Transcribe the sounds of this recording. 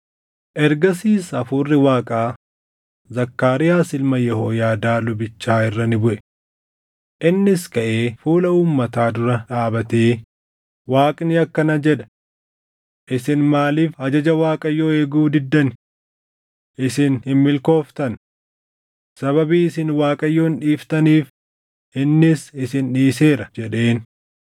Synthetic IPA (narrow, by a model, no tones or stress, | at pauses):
ʔɛɾɡɐsiːsɐfʊrːɪwaːkʼaː | zɐkːaːɾɪjaːsɪlmɐjɛhoːjaːd̪aːlʊbɪt͡ʃːaːɪrːɐnɪbʊʔɛ̥ | ʔɪnːɪskɐʔeːfuːlɐuːmːɐt̪aːd̪ʊɾɐᶑaːbɐt̪eː | waːkʼnɪɐkːɐnɐd͡ʒɛᶑɐ̥ | ʔɪsɪnmaːliːfhɐd͡ʒɐd͡ʒɐwaːkʼɐjːoːeːɡuːd̪ɪd̪ːɐnɪ | ʔɪsɪnhɪmmɪlko̞ːft̪ɐn | sɐβɐbiːɪsɪnwaːkʼɐjːoːnᶑiːft̪ɐniːf | ʔɪnːɪsɪsɪnᶑiːse̞ːɾɐd͡ʒɛᶑe̞ːn